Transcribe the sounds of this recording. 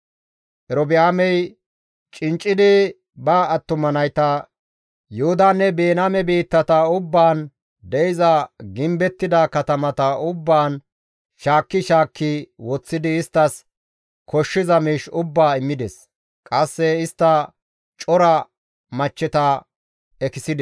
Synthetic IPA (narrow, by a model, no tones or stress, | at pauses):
ʔɛɾɔbɪjaːmɛj | t͡ʃʼɪnt͡ʃʼːɪd̪ɪ | bɐːt̪ːʊmɐnɐjt̪ɐ | jʊhʊd̪aːnːɛbeːnaːmɛbiːt̪ːɐt̪ɐʊbːaːn | d̪ɛɪzɐɡɪmbɛt̪ːɪd̪ɐkɐt̪ɐmɐt̪ɐʊbːaːn | ʃaːkːɪʃaːkːɪwɔt͡sːɪd̪ɪːst̪ːɐs | kʰɔʃːɪzɐmiːʃʊbːaːɪmːɪd̪ɛs | kʼɐsːɛɪst̪ːɐ | t͡ʃʼɔɾɐ | mɐt͡ʃːɛt̪ɐ | ɛkɪsɪd̪ɛ